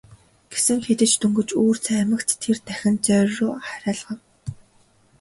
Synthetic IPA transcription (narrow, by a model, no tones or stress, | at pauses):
ɡ̥esɘ̆ŋxet̪ɘ̆t͡ɕt̪ɵŋɡɵ̆t͡ɕuːr̥t͡sʰæːmɘ̆kt̪t̪ʰert̪æxʲɪ̆nt͡sœːrrʊːχaɾʲaːɮʁə̆n